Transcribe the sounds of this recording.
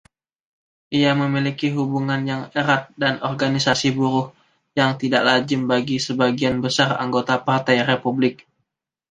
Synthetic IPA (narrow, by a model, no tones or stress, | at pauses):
ʔiaməmilikiɦubuŋanjaŋeɾat̪̚danʔɔrɡanisasibuɾʊh | jaŋt̪idaʔlad͡ʒɪmbaɡisəbaɡianbəsara̰ŋɡot̪apart̪ajrepublɪk̚